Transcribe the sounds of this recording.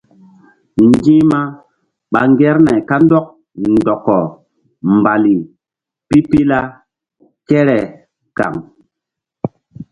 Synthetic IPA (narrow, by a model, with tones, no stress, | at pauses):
ŋɡĩ˦ma˦ | ɓa˨ŋɡɛ˦ɾna˨jka˦n˦dɔ˦k̚ | ndɔ˨kːɔ˨ | m˨ba˨li˨ | pi˦pi˦la˦ | kɛ˦ɾɛ˨ | ka̰˨ŋ